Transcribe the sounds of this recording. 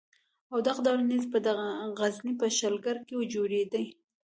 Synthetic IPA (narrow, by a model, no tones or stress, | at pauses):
awd̪aqd̪ɑlanizpəd̪aɣaɣaznipəʃalɡaɾkewəd͡ʒoɾed̪əj